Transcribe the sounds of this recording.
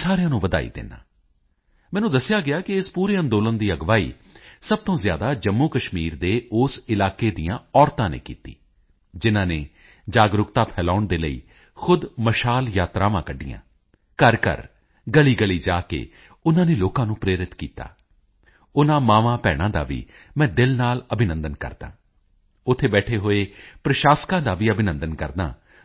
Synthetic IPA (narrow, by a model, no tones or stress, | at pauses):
saːɾejãːnũːʋəd̪a̰ːḭːd̪ɪ̰nːa̰ː | mɛ̃ːnũːd̪əsɪjaːɡɪaːkɪɪspuːɾeːə̃nd̪oːlənd̪iːəɡʋaːḭː | səb̚t̪õːzɪjaːd̪aːd͡ʒəmːuːkəʃmiːɾd̪eːʊːsɪlaːkeːd̪ijãːɔːɾt̪ãːnḛːkḭːt̪ḭː | d͡ʒɪnãːneː | d͡ʒaːɡɾʊkt̪aːpʰɛːlaːʊɳd̪eːləḭː | xʰʊd̪məʃaːljaːt̪ɾaːʋãːkəɖːḭjã̰ː | kəɾkə̰ɾ | ɡəliːɡəliːd͡ʒaːkḛː | ʊnãːneːloːkãːnũːpɾeːɾɪt̪kiːt̪a̰ː | ʊnãːmaːʋãːpɛːɽ̃ãːd̪a̰ːʋḭː | mɛ̃ːd̪ɪlnaːləbɪnə̃nd̪ənkə̰ɾd̪a̰ː | ʊt̪ʰːeːbɛːʈʰeːɦoːeːpɾəʃaːskãːd̪aːʋiːəbʱɪnə̃nd̪ənkəɾd̪ã̰ː